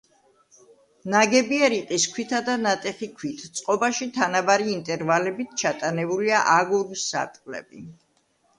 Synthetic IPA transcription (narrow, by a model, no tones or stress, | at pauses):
naɡɛbiɛɾiqʼiskʰwit̪ʰad̪anat̪ʼɛχikʰwit̪ʰt̪sʼqʼɔbaʃit̪ʰanabaɾiːnt̪ʼɛɾvalɛbit̪ʰt͡ʃʰat̪ʼanɛbuliaʔaɡuɾusːa̰ɾt̪ʼqʼlɛ̰bḭ